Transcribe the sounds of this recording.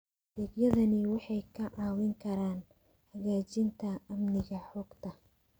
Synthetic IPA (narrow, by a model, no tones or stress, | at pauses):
d̪ɛːɡjɐðɐnɪwɑħɑjkʰɐʕɑːwɪŋkʰɐɾaːn | hɐɣaːt͡ʃɪnt̪ʰɐɐmnɪɣɐħɔːɡt̪ʰɐ